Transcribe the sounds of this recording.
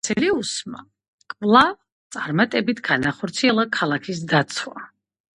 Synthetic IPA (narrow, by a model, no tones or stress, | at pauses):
t̪sʰɛliusma̰ | kʼvlˠa | t̪sʼaɾmat̪ʼɛbit̪ʰɡ̥anaχɔɾt̪sʰiɛlˠakʰalˠakʰis̬d̪at̪sʰwa̰